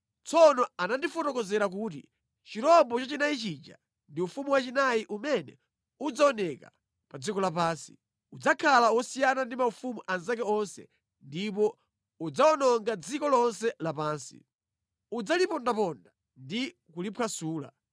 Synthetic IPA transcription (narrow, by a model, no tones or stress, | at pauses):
t͡sɔnɔanandifɔtɔkɔzɛɾak̬uːt̬ḭ | t͡ʃiɾɔmbɔt͡ʃat͡ʃinait͡ʃid͡ʒa̰ | ndiufumuwat͡ʃinajiʔumɛnɛ̰ | ud͡zaɔnɛka̰ | pad͡zikɔlapaːnsi̥̰ | ud͡zakʰalawɔsijanandimaufumuʔanz̬ak̬ɛɔnsɛ̰ | ndipɔ | ud͡zaɔnɔŋɡad͡zikɔlɔnsɛlapaːnsḭ | ud͡zalipɔndapɔnda | ndi | kulipʰwasuːla̰